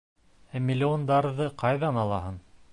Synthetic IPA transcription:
æmʲːɪlʲːɪond̪ɑɾðɤqɑjðɑnɑlˠɑɦɤn

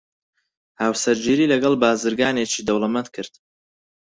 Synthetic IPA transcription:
haːwsɐɾd͡ʒiːɾiːlɐɡɐlˠbaːzɨɾɡaːnet͡ʃiːd̪ɐwlˠɐmɐnt̪kʰɨɾd̪̥

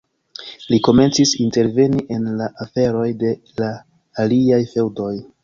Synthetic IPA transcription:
liko̞me̞nt͡sisinte̞ɾve̞niʔe̞nlaʔafe̞ɾo̞jde̞ | laː | liajfe̞wdo̞j

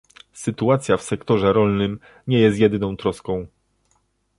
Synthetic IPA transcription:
sɘt̪uat̪sʲjafsɛkt̪ɔʐɛɾɔlnɘm | ɲɛjɛst̪̬ʲjɛd̪ɘnɔ̃w̃t̪ɾɔskɔ̃w̃

